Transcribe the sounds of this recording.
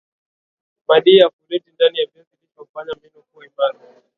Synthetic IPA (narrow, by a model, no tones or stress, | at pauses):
maɗiafulɛtindanijavɛzilipaufaɲambinɔkuimaɾa